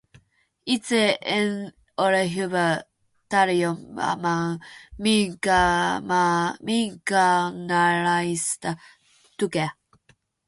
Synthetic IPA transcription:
it͡seen | oɾeɦuvə | taɾioma̰mamiŋkamamiŋkanaɾajsta | tuke

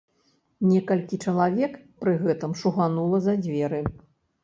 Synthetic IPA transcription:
nʲɛkɐlʲkʲit͡ʂɐlˠavʲɛkpɾɨɣɛt̪ɨmʂuɣanulˠɐzɐd͡zʲvʲɛɾɨ

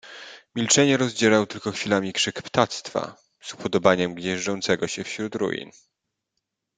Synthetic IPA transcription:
mʲilt͡ʂɛɲɛɾɔzd͡ʑɛɾawt̪ɘlkɔxfʲilamʲikʂɘkpt̪at̪st̪fa̰ | z̥upʰɔd̪ɔbaɲɛmɡɲɛʐd͡ʐɔnt̪sɛɡɔɕɛfɕɾut̪ɾṵjḭn

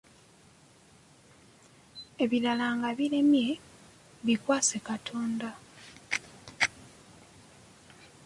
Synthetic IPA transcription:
e̞βilalaŋɡaβile̞mje̞ | βikwaːse̞katʰo̞ːnda

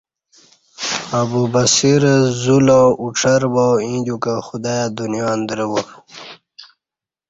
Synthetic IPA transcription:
abubasiɾzulãʔuʈ͡ʂʰɐɾbawĩd̪ukaxud̪aːjad̪unijaːnd̪ɾəwo

